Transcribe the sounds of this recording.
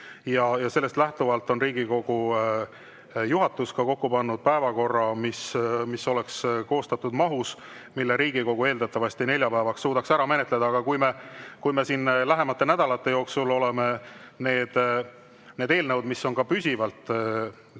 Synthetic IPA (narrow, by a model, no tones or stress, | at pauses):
jɑjɑse̞lːest̪læht̪uvɑlt̪ːˑo̞nriːɡ̥iko̞ɡ̥u | juɦɑt̪ːˑuskɑko̞kːupɑnːud̪̥̚pæevɑko̞rːɑmismisːo̞le̞ksko̞ːst̪ɑt̪ːˑud̪mɑɦus | milːeɾiːɡ̥iko̞ɡ̥ue̞ːld̪ɑt̪ːˑɑvɑsʲt̪ine̞lʲjɑpæːvɑksːuːd̪ɑksæɾɑme̞ne̞t̪le̞d̪̥ɑɑɡ̥ɑkujmekujme̞siːnlæɦe̞mɑt̪ˑːe̞næd̪̥ɑlɑt̪ːe̞jo̞ːksulo̞le̞me̞ | ne̞ːd̪̥ | ne̞ːd̪̥e̞ːlnəwd̪̥misːo̞nkɑpysʲivɑlt̪ˑ